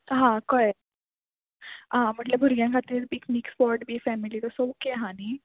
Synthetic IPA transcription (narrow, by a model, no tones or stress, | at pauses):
ɦãkɔe | ɦãm̤əʈlebʱuɾɡjãŋkʰat̪iːɾbikmikspɔɾʈbʱifɛmilit̪osokeɦãni